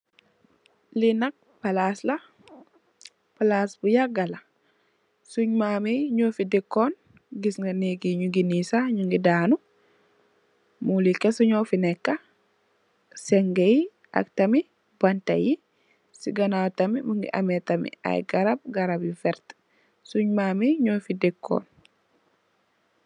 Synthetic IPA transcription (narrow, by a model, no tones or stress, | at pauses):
linɐk̚pɐlaslɐ | palasbujaɡɐlɐ | suɲmaːmeɲofidikːɔn | ɡisŋɡɐniɡiɲuɡinisaɲuŋɡidaːnu | mulikɛsuɲɔfinɛkːɐ | sɛŋɡej | a̰ktɐmi | bɐntɐ̰ji | siɡɐnawtɐmimuŋɡḭʔɐ̰mɛtɐmḭa̰jɡɐɾab̚ɡɐɾabjifɛɾt | suɲmaːmeɲofidɛkːɔ̰ːn